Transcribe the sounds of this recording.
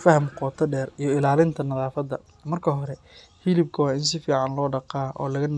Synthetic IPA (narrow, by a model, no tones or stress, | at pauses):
fɐhɐmqɔːt̪ʰɐɖɛːrijɞɪlaːlɪnt̪ʰɐnɐðaːfɐd̪ɐ | mɐrkʰɐɦɔɾɛ | hilɪb̚kʰɐwɑːɪns̬ɪfiːʕɑnlɔːɖɑqɑːʔɔ̰ːlɐɣɐn